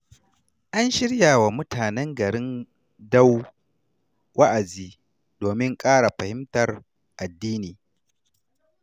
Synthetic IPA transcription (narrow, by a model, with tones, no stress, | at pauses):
ʔa˦nʃɪ˦ɽjaː˨wa˨mʊ˦tʰaː˨nɛ˦ŋɡɐ˨ɾɪ˦n | da˦w | wʔa˦ʔa˨ziː˦ | doː˨mɪ˦ŋkʼaː˦ɽa˨ɸɐ˨hɪ˦mtɐ˨r | ʔa˨dːiː˦niː˨